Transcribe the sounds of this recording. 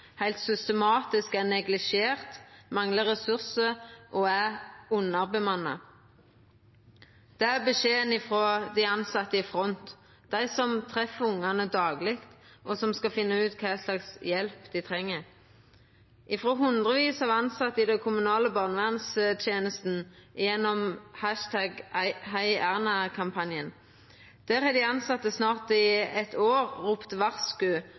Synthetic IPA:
hæɪlt̪sʏst̪əmɑːt̪ɪskænɛɡlɪʃeːʁt̪mɑŋləʁɛsʉʁsəʔɔæʁʊnːɑʁbəmɑnːɑ̰ | d̪̥ɛæʁbəʂeːənɪfʁoːd̪æɪɑnsɑt̪ːəɪfʁɔnt̪ | d̪̥æɪsɔmt̪ʰʁɛfəʊŋːɑnəd̪ɑːɡlɪkt̪ | ʔɔsɔmskɑfɪnːəʉːt̪kʰɑːslɑksjɛlpd̪ɪt̪ʰʁɛŋːəʁ | ʔɪfɾoːɦʉnd̪ʁəʋiːsɑːʋɑnsɑt̪ːəɪd̪ɛkʰʊmʉnɑːləbɑːʁnəʋæʁnsət̪ʰjeːnəst̪n̩jɛnːɔmhæʃt̪ʰæɡhæɪæʁnɑkʰɑmpʰɑnjən | d̪̥æːʁɛd̪æɪɑnsɑt̪ːəsnɑːʁt̪ɪɛt̪ʰoːʁːuːpt̪ʋɑʁskʉ

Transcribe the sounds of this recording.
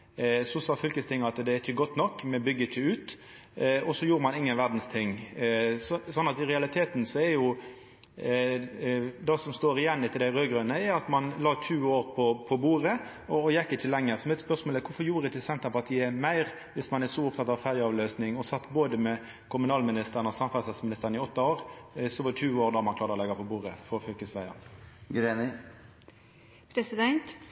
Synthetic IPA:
sɔsɑːfʏlkəst̪ʰɪŋːɑt̪d̪ɛæɾɪçːəɡɔt̪ːnɔkːmɛbʏɡːəɪçəʉːt̪ | ɔsɔjuːɾəmɑnɪŋːənʋæʁd̪n̩st̪ʰɪŋː | ssɔnːɑt̪ɪɾɛɑlɪt̪ʰeːt̪nsɔɛɾjʊ | d̪ɑsɔmst̪oːɾɪjɛnːɪt̪ʰɪld̪æɪʁøːɡɾœnəɛɾɑt̪mɑnlɑːtʰʉːoːɾpʰɔpʰɔbuːɾə | ɔːjɛkːəɪt̪ːɪlːɛŋːəɾsɔmɛt̪spœsmoləkʰʊfɔɾjuːɾəd̪ɛt̪ʰɪsɛnt̪əɾpɑʁt̪ʰiːəmæɪʁ | ʋɪsmɑnɛʂɔʊp̚t̪ʰɑt̪ɑʋfæːʁlɪɑːʋløːsnɪŋɔsɑt̪ːboːd̪əmɛ | kʰʊmʉnɑːlmɪnɪst̪əɾənɔsɑmfɑsɛt̪smɪnɪst̪əɾnɪɔt̪ːɑoːɾsɔʋɑt̪ʰʉːoːɾd̪ɑːmɑnklɑːɾd̪ɔlɛɡɑpʰɔbuːʁəfɔfœlkəsʋæɪɑ̰nɡɾenɪ | pʰɾɛsɪd̪ɛnt̪

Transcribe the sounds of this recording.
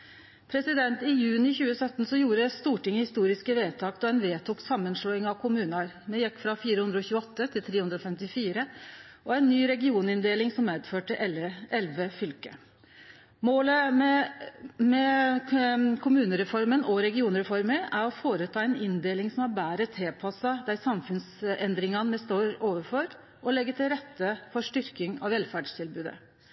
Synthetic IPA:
pʰɾɛsɪd̪ɛnt̪ɪjʉːnɪçʉːəsœt̪ːnsɔjuːɾəst̪uːʈɪŋːəhɪst̪uːɾɪskəʋeːt̪ʰɑːkt̪ɔɛnʋeːt̪ʰuːksɑmːənʂlɔːɪŋɑʋkʰʊmʉːnɑɾ | mɛjɛkːfɾɑfiːɾəhʉnd̪ɾəɔçʉːɔt̪ːət̪ʰɪlt̪ʰɾeːhʉnd̪ɾɔfɛmt̪ɪfiːɾəʔɔæɪnːyːɾɛɡɪuːnɪnd̪eːlɪŋsɔmːeːd̪føːʈəʔʔɛlʋəfʏlkə | moːlə | mɛ | kʰʊmʉːnəɾɛfɔɾmənɔɾɛɡɪuːnəɾɛfɔɾməɾæɾɔfoːɾət̪ʰɑːɛɪnɪnd̪eːlɪŋsɔmæbæːɾət̪ʰeːpʰɑsɑd̪æɪsɑmfʉnsɛnd̪ɾɪŋɑnmɛst̪oːɾoːʋəɾfɔɾ | ʔɔlɛɡːət̪ɪlɾɛt̪ːəfɔʂʈʏɾkɪŋɑ̰ʋʋɛlfæːɖʂt̪ʰɪlbʉːd̪ə̰

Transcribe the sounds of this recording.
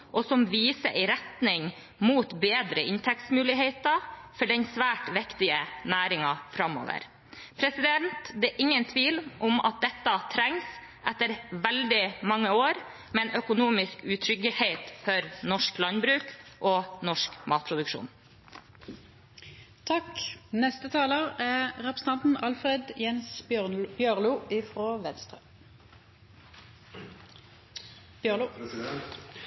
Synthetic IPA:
ʔɔsɔmʋiːsəʔɛɪɾɛt̪nɪŋ | muːt̪beːd̪ɾəʔɪnt̪ʰɛk̚t̪smʉːlɪɦeɪt̪ɑfɔɖɛnsʋæːʈʋɪkt̪ɪənæːɾɪŋɑfɾɑmo̰ːʋə̰ɾ | pʰɾɛsɪd̪ɛnt̪d̪ɛːʔɪŋːənt̪ʰʋiːlʔɔmɑ̰t̪̚d̪ɛt̪ːɑt̪ʰɾɛŋs | ʔɛt̪ːəɾʋɛld̪ɪmɑŋːəoːɾ | mɛnœkʊnuːmɪskʉt̪ʰɾʏɡəheɪt̪fɔɾnɔʂklɑnbɾʉːkʔɔnɔʂkmɑːt̪̚pʰɾʊd̪ʉkʃṵːn | t̪ʰɑknɛst̪ət̪ʰɑːloʁæʁɛpɾəsn̩t̪ɑnt̪n̩ʔɑlfɾed̪jɛnsb̥jøʁluːɪfʁoːʋɛnst̪ʁə

